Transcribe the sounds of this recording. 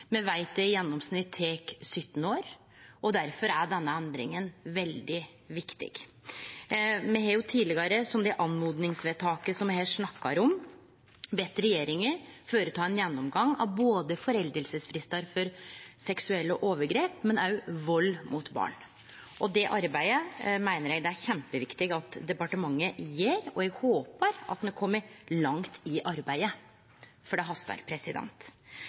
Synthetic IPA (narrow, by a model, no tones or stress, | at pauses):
mɛʋæɪt̪əjɛnːɔmsnɪt̪ʰːeːksʏt̪ːnəoːɾ | ɔd̪æɾfɔɾæɖɛnːəɛnd̪ɾɪ̰ŋənʋɛld̪ɪ | ʋɪkt̪ɪ̰ɡ̥ | mɛɦɑːɾjʊt̪ʰiːlɪɡɑɾəsɔmd̪ɛʔɑnmuːd̪nɪŋsʋeːt̪ʰɑːkəsɔmɛhɛlsʂnɑkːɑɾɔm | bɛt̪ːɾɛjeːɾɪŋəføːɾət̪ʰɑːɛnjɛnːɔmɡɑŋɑ̰ʋboːd̪əfɔɾɛld̪əlsəsfɾɪst̪ɑɾfɔɾsɛksʉɛlːəʔoːʋəɾɡɾeːpmɛnɑʉʋɔlːmut̪bɑ̰ːɳ | ʔɔd̪ɛʔɑɾbæɪəmæɪnəɾjɛɡd̪ɛæɾçɛmpəʋɪkt̪ɪɡɑt̪d̪ɛpɑʈəmɑŋːəjeːɾɔɛɡhoːpəɾɑ̰t̪nɛkʰɔmːəɾlɑŋt̪ʰɪʔɑɾbæɪə | fɔɖɛɦɑst̪ɑ̰ɾpʰɾɛsɪd̪ɛ̰nt̪